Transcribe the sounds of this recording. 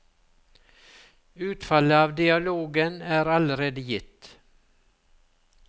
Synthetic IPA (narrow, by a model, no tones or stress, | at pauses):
ʉːt̪falːəɑːvd̪ɪɑloːɡənæːɾaləɾeːd̪əjɪt̪ː